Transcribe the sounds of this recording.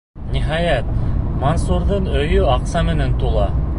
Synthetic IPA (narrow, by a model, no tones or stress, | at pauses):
nʲiɦɑjæt̪̚monsuɾðɤɴɵ̆jɵɑqsɑmɘ̆nænt̪ulˠɑ